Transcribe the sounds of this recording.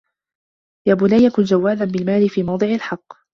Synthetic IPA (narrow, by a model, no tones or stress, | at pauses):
jaːbʊlaːjakʊnd͡ʒawːaːlanbɪlmaːlɪfiːmɑwd̪ˤɨʕɪlħɑqː